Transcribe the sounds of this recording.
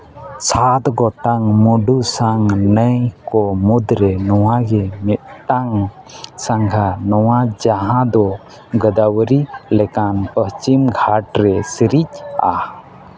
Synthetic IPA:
sat̪ɡɔt̪aŋmuɖusaŋnəjkɔmud̪ɾɛnɔwaɡɛmɛt̪̚ʈaŋ | saŋɡʰʱanɔwad͡ʒaɦãd̪ɔ | ɡəd̪awɾilɛkanpəst͡ʃimɡʱaʈɾɛsiɾica̰h

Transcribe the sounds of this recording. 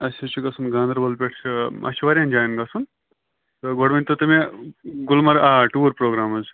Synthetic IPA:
ɐsit͡ʃʰuɡɐsunɡaːnd̪ɐɾbɐlpʲeʈʰt͡ʃʰɨɐ̰siʋɐɾʲjãnd͡ʒaːjnɡɐsun | t̪ɨɡoɽʋɐnʲt̪ɐt̪ɨmeɡulmɐɾaːʈuːɾpɾoːɡɾaːmɐz

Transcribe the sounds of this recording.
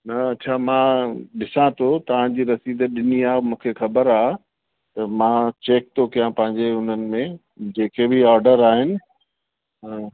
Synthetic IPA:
nɐɐtːt͡ɕʰaːmãːɗɪsãt̪ʰot̪ɐʋ̤ãd͡ʑiːɾɐsiːd̪əɗɪniaːmũːkʰexɐbəɾaː | t̪ɐmãːt͡ɕeːk̚t̪okijãpɐ̃ɦɪ̃ɲd͡ʑeʊn̤ənɪ̆mẽ | d͡ʑeːkebʱiaːɾɖəɾaːɦɪnɪ̆

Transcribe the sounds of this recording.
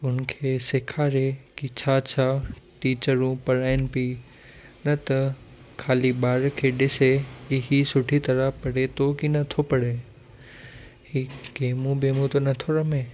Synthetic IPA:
ʊnkʰeːsɪkʰaːɾekit͡ɕʰaːt͡ɕʰaːʈiːt͡ʃəɾũpɐɾaːɪnɪpi | nɐt̪ɐ | kʰaːliɓaːɾkʰeːɗɪsekiɦisʊʈʰit̪ɐɾəpɐɽet̪okinɐt̪ʰopɐɽe | hiɡeːmũbemũt̪onɐt̪ʰoɾɐmẽː

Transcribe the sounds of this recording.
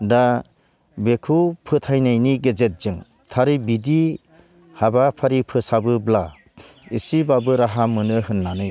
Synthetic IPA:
da | bekʰupʰɯtʰajnajniɡezet̚zɯŋ | tʰaɾibidi | habapʰaɾipʰɯsabɯbla | isibabɯɾaɦamɯnɯɦɯnːanɯj

